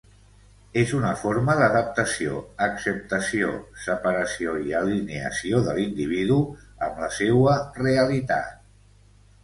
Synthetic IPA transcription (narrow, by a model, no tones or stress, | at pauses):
ezunəfoɾməðəðəp̚t̪əsio̰əksəp̚t̪əsio̰səpəɾəsioiəlineə̰sioðəlind̪iβ̞iðuəmləsewəreəlit̪a̰t̪